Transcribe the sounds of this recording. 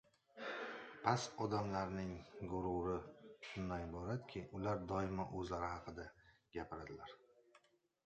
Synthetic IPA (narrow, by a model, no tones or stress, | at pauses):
pʰasɒd̪amlaɾnɪŋɡʊɾuɾɪʃʊnːajbɒɾad̪kʲʰɪʊlaɾd̪ɒjɪmaʔɵzlaɾɪhɑqʰɨd̪aɡ̥ʲapʰɪɾad̪ɪlaɾ